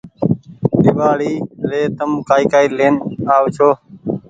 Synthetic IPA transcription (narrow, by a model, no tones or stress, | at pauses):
ɗɪʋaːɽiːleːt̪əmkaːiːkaːiːleːnaːʋt͡ʃʰoː